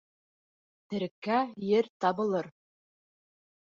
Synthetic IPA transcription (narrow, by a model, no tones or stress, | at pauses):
t̪ɘ̆ɾkːæjɘɾt̪ɑbɤ̆lˠɤɾ